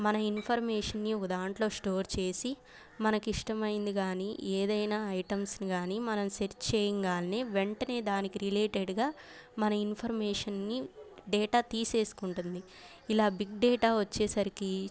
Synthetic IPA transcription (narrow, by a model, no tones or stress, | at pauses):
mɐnɐinpʰɐɾmɛːʂɐnːiud̪aːɳʈlo̞ːsʈo̞ːɾt͡ʃe̞ːsi | mɐnɐkiʂʈɐmɐjind̪iɡaːniʔeːd̪ɐjnaːɐjʈɐmsniɡaːnimɐnɐmseɾt͡ʃt͡ʃeːjiŋɡaːlɐneːʋe̞ɳʈɐne̞ːd̪aːnikiɾileːʈeɖɡaː | mɐnɐinpʰɐɾmɛːʂɐnːiɖɛːʈaːt̪iːse̞ːsu̥kuɳʈund̪i | ilaːbiɡ̚ɖɛːʈaːʋɐt͡ʃːɛːsɐɾiki